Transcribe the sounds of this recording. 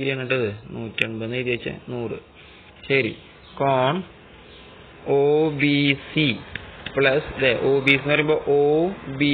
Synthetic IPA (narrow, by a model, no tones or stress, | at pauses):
iɾiaːɳːɨʈːɐðɨnuːtːoɳbɐnːit̪jɐt͡ɕːɨ̰nuːrɨ | ɕɐɾḭ | koːɳ | oːbisipɭɐsɐd̪eʔoːbisinːɨɐrɐjumboːʔoːbi